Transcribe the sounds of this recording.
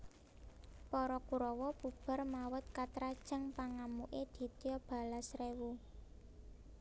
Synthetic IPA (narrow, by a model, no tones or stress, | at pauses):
pɔɾɔkuɾɔwɔbub̥ə̤rmawət̪̚kat̪ɾad̥ʒ̥ə̤ŋpaŋamuʔed̪̥i̤t̪jɔb̥a̤lasrewu